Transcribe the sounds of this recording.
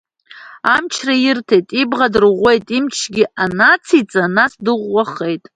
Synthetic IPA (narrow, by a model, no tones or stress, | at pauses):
amt͡ʃʰrajɪrtʰejtʼibʁadɨrʁʷe̞jtʼimt͡ʃʰɡʲɪanat͡sʰit͡sʼanasdɨʁʷːaχe̞jtʼ